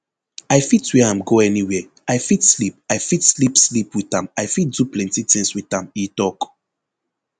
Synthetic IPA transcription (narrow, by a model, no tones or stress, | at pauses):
aɪfitwɛãmɡoɛniwɛ | aɪfitslip̚aɪfitslipslipwiθãmaɪfit̚duplɛ̃ntitĩŋswiθãmitɔk